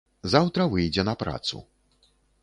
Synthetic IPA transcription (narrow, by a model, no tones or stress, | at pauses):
zawt̪ɾɐvɨjd͡zʲɛnɐpɾa̰t̪sṵ